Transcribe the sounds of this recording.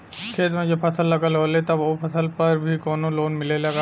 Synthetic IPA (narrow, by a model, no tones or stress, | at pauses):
kʰeːt̪mẽd͡ʒopʰɐsəlːɐɡəlɦoːlet̪ɔbopʰəsʰəlpɐɾbʱikɔːnoloːnmɪlelɐɡa